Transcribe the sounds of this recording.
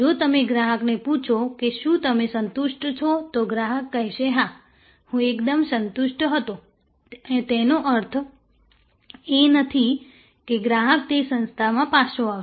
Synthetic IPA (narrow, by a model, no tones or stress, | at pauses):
d͡ʒot̪əmeɡɾaɦəkneput͡ʃʰokeʃũt̪əmesənt̪ʊʃʈt͡ʃʰot̪oɡɾaːɦəkːəɦiʃeɦã | hũekd̪əmsənt̪ʊʃʈɦət̪o | ẽt̪enoʔəɾt̪ʰ | enət̪ʰi | keɡɾaːɦək̚t̪esə̃nst̪ʰamãpaʃʰoa